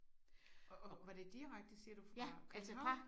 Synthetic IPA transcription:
ʋɑɾ̥e̝d̥iʁaɡ̥̚d̥əsiɐd̥ufʰælsə

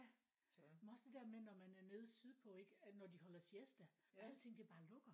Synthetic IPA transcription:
æ | menɒ̽sd̥e̝d̥æɐmenɒmænæɐne̝ːð̞̩ˠsyðˠpʰɒ̽e̝ɡ̥ənɒd̥ihɒ̽l̰ɐsesd̥ææl̰̥t͡sʰe̝ŋ̰d̥e̝b̥ɑ̈ːlɔ̽ɡ̥ɐ

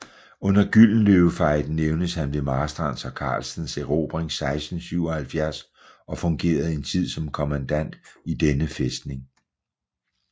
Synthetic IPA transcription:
ɔ̽n̰ɐɡ̥yl̰n̩løʊfɑ̈ɪ̰d̥n̩neʊnəshænʋe̝mɑ̈ːsd̥ʁɑ̈nsɒ̽kʰɑ̈ːlsn̩seʁo̝̰ːb̥ʁeŋsɑ̈ɪsd̥n̩syʊɒ̽hælfjæɐs | ɒ̽fɔ̽ŋɡ̥e̝̰ːɐð̞̩ˠe̝nt͡sʰið̞̰ˠsɒ̽mkʰɒmænd̥æn̰d̥id̥enəfesd̥ne̝ŋ

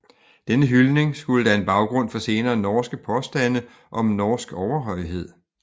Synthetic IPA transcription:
d̥enəɦylne̝ŋsɡ̥uləd̥æe̝nb̥ɑ̈ʊɡ̥ʁɔ̽n̰fɒ̽se̝ːnɐːnɒːsɡ̥əpʰɒ̽sd̥æn̰ə | ʔɒ̽mnɒːsɡ̥ɒʊɐɦɒ̽ɪɦe̝ð̞̰ˠ

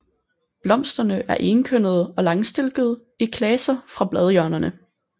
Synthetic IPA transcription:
b̥lɒ̽m̰sd̥ɐnəʔæɐʔenkʰøn̰ð̞̩ˠɒ̽lɑ̈ŋsd̥e̝lɡ̥əð̞̩ˠ | ikʰlɛsɐfʁɑ̈b̥lɛð̞ˠjœɐnɐnə

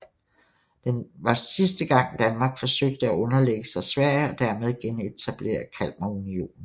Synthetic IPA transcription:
d̥enʋɑ̈sisd̥əɡ̥ɑ̈ŋ̰d̥ænmɑ̈ːɡ̥fɒ̽søɡ̥̚d̥əæʔɔ̽nɐleɡ̥əsɑ̈ɪsʋæɐ̰jəɒ̽d̥æɐmeð̞ˠɡ̥ene̝t͡sʰæb̥le̝̰ːɐkʰæl̰mæunio̝̰ːnn̩

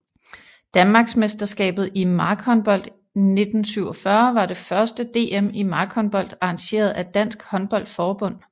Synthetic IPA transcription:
d̥ænmɑ̈ːɡ̥smesd̥ɐsɡ̥ɛ̰ːb̥ð̩ˠimɑ̈ːɡ̥hɒ̽nb̥ɒ̽l̰d̥ | ne̝d̥n̩syʊ̰ɒfɶɐʋɑ̈ɾe̝fɶɐsd̥əd̥e̝̰ːemimɑ̈ːɡ̥hɒ̽nb̥ɒ̽l̰d̥ɑ̈ɑ̈ŋɕe̝̰ːɐð̞̩ˠæd̥æn̰sɡ̥hɒ̽nb̥ɒ̽l̰d̥fɒːb̥ɔ̽n̰

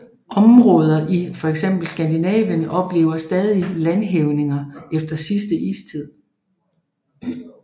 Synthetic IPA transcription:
ʔɒ̽mʁɔːð̞ˠɐʔifɒ̽eɡ̥sem̰b̥l̩sɡ̥ænd̥inɛ̰ːʋjənɒ̽b̥le̝̰ːʊɐsd̥ɛːð̞ˠilænɦeʊne̝ŋɐefd̥ɐsisd̥əʔḭːst͡sʰið̞̰ˠ

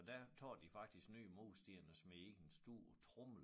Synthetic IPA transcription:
d̥æt͡sʰɒ̰ːd̥ifɑ̈ɡ̥̚d̥isɡ̥ny̰ːmo̝ːsd̥iɐ̰nəsmee̝ɡ̥ənsd̥uːɐ̰t͡sʰʁɔml̩

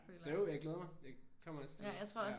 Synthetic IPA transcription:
sɒjojäɪɡ̥leːðˠɐmɑɪjɑɪkʰɒ̽m̰ɐɒst͡sʰjäɪt͡sʰʁo̝ɐ̰ɒs

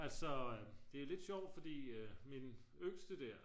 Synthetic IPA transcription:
ælsɒ̽d̥e̝æle̝d̥ɕɒʊ̰d̥fɒ̽d̥ḭːmin | øɡ̥sd̥əd̥æɐ̰

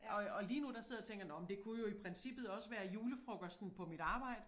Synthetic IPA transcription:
ɒ̽ɒ̽liːnud̥ɑ̈se̝ð̞̰ˠɐt͡sʰeŋɡ̥ɐnɒmnd̥e̝kʰujo̝ipʰʁɛnsib̥ð̩ˠɒ̽səʋæːɐjuːləfʁɔɡ̥ɒsd̥n̩pʰɒ̽miɾ̥ɑ̈ːb̥ɑ̈ɪ̰d̥ə

